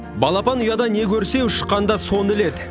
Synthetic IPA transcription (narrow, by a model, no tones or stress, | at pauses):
bɑlˠɑpɑnʊjɑd̪ɑne̞kʲʰɵɾse̞ʊʃə̥qːɑnd̪ɑso̞nɪle̞d̪